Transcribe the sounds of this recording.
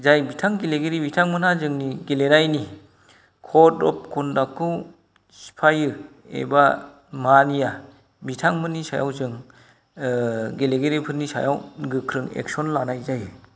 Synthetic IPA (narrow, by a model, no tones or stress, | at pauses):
zajbitʰaŋɡeleɡeɾibitʰaŋmɯnazɯŋniɡeleɾajni | kʰɔtɔ̰p̚kʰundakʰɯw | si̥pʰajɯ | ḛba | manija | bitʰaŋmɯnisa̰ja̰wzɯŋ | ɡeleɡeɾipʰɯɾnisa̰jawɡɯkʰɾɯŋḛksɔnlanajzajɯ